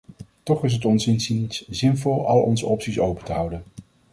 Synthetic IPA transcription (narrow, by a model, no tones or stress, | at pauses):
tɔχɪs̬ɦətɔnsɪnsinszɪnvɔlˠɑlˠɔ̰nzəɔpsisowpəntəɦʌwdən